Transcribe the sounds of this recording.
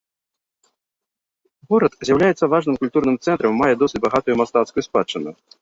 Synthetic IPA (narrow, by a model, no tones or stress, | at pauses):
ɣɔɾɐt̪zʲjawlʲajɛt̪sːɐvaʐnɨmkulʲt̪urnɨmt̪sɛnt̪ɾɐmːajɛd̪ɔsɨt͡sʲbaɣat̪ujumast̪at̪skjuspat͡ʂːɨnʊ̰